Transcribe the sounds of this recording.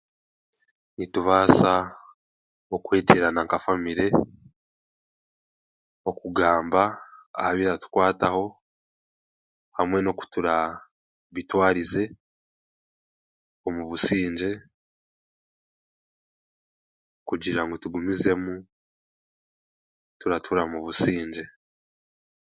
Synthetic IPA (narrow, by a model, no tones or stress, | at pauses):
nituβaːsa | okweːtiɾanaŋkafamiɾe̞ | o̞kuɡaːmba̰ːhaβiɾatu̥kwaːtaho̞ | hamwe̞no̞ku̥tuɾa | βitwaːɾize̞ | o̞muβusiːɲd͡ʒe̞ | kuɟiɾaŋɡo̞tuɡumize̞mu | tuɾatʰuɾamuβusiːɲd͡ʒe̞